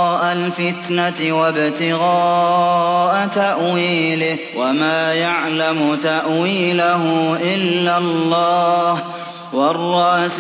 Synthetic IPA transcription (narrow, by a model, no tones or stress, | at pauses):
ʔalfɪt̪nat̪ɪwabt̪ɪɣɑː | ʔat̪aʔwiːlɪ | wamaːjaʕlamʊt̪aʔwiːlaɦʊʔɪlːalːɑːh | wɑrˤːɑʔs